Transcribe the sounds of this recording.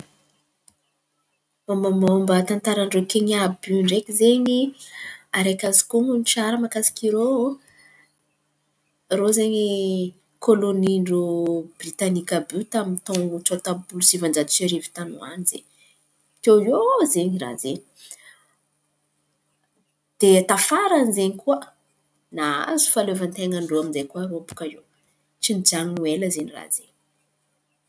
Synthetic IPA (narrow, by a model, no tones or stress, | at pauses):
mamamaumbət̪ant̪aɾaɳɖ͡ʐokeɲabyɳɖ͡ʐekizeɲi | aɾekʲazi̥kuŋunʈ͡ʂaɾəmakasi̥kiɾo | rozeɲi | kʰoloniɳɖ͡ʐobrit̪anikabut̪amit̪õt͡ʃot̪ampulusivand͡ʒad̪useɾivi̥t̪anṵa̰nizḛɲ | t̪ewjozeɲira̰zeɲi | d̪̥et̪afaɾanizeɲikuə | naa̰zu̥falevant̪eŋaɳɖ͡ʐoamizejkuaopu̥kaew | t͡ʃinid͡ʒaŋnueləzeɲira̰zḛɲi